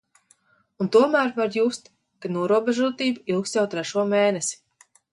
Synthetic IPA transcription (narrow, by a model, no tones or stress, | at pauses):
unt̪uɔmæːɾvaɾjuːst̪ | kanuɔɾuɔbɛʒuɔt̪iːbuilˠkst̪jawt̪ɾɛʃuɔmeːnesi̥